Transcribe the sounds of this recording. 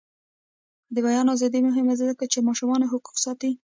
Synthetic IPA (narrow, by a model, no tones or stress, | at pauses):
d̪əbajɑnɑwzɑd̪imʊɦɪmazɪd̪akat͡ʃemɑʃʊmɑneɦʊqu̥qsɑt̪i